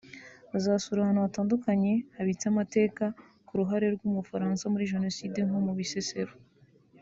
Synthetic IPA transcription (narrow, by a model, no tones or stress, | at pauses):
azasuɾahanoβataːndukaɲe̞haβit͡samate̞ːka | kuɾuɦaɾe̞ɾɡuːmufaɾaːnsamuɾiʒe̞no̞siːdeŋomuβisese̞ɾo